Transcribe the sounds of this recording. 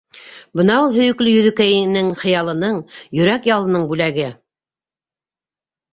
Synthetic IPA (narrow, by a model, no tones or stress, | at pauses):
bɤnɑulˠɦɵ̆jɵ̆klɵjɵ̆ðɵ̆kæjɘnɘŋχɤ̆jɑlˠɤ̆nɤɴjɵ̆ɾækjɑlˠɤ̆nɤɴbʉlæɡɘ